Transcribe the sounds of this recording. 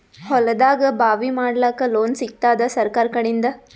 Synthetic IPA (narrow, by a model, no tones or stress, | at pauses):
hɔlɐd̪aːɡɐbʱaːʋimaːɽlaːkɐloːnsik̚t̪aːd̪ɐsɐɾkaːɾkɐɽind̪ɐ